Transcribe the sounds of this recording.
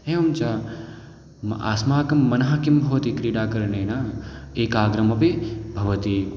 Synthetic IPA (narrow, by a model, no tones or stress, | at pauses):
eːɐmt͡ʃaː | a̰ːsmaːkɐmːɐnɐɦakimbʱɐʋɐt̪ikɾiːɽaːkɐɾnɐːnaːeːkaːɡɾɐmɐpibʱɐʋɐt̪i